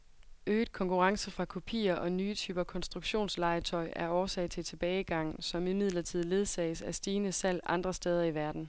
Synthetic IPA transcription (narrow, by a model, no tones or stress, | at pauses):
øːd̥̚kʰɒ̽ŋkʰuʁɑ̈ŋsəfʁɑ̈kʰo̝pʰḭːɐʔɒ̽nyːt͡sʰy̰ːb̥ɐkʰɒ̽nsd̥ʁuɡ̥ɕo̝̰ːnslɑ̈ɪt͡sʰɒ̽ɪʔæɐɒːsɛ̰ɪt͡sʰe̝t͡sʰe̝b̥ɛːɪɡ̥ɑ̈ŋ̰sɒ̽mimið̞̰ˠlɐt͡sʰið̰ˠle̝ð̞ˠsɛ̰ːɪsæsd̥iːnəsæl̰ɑ̈nd̥ʁɐsd̥eːð̞ˠɐiʋæɐd̥n̩